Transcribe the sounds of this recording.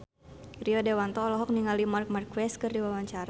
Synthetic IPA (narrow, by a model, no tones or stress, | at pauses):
riɔdɛwant̪ɔːlɔɦɔk̚niŋalimark̚markwɛst̪̚kɨrdiwawaɲt͡ʃaɾa